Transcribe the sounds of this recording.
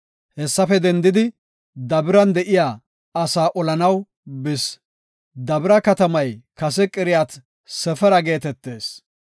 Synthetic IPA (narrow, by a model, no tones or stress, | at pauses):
hɛsːɐfɛd̪ɛnd̪ɪd̪ɪ | d̪ɐbɪɾɐnd̪ɛʔɪjaː | ɐsaːʔɔlɐnɐw | bɪs | d̪ɐbɪɾɐkɐt̪ɐmɐjkɐs̬ɛkʼɪɾɪjaːt̪ | sɛfɛɾɐɡe̞ːt̪ɛt̪ːe̞ːs